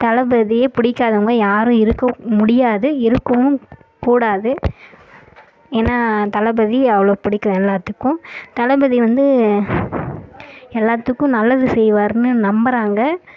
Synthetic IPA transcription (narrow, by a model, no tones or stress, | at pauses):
t̪ɐlɐbɐðɪjepɪɽɪkːaːðɐŋɡɐjaːɾʊ̃ɪɾɯkːɐmʊɽɪjaːðɯɪɾɯkːɐmɯ̃ | kuːɽaːðɯ | eːnːaːt̪ɐlɐbɐðiɐʋɐɭoːpɪɽɪkːɾɐ̃ɛlːaːt̪ːɯkːʊ̃t̪ɐlɐbɐðiʋɐnd̪ɯ | ɛlːaːt̪ːɯkːʊ̃nɐlːɐðɯsɛjʋaːɾɯnɯnɐmbɐɾaːŋɡɐ